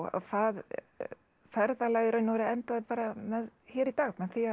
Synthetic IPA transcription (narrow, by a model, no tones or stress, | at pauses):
a̰θað | fɛɾðalaːjɪɾœːnːvɛɾɪɛnt̪aðɪpaːɾamɛðçɛːɾit̪aːɣmɛðθi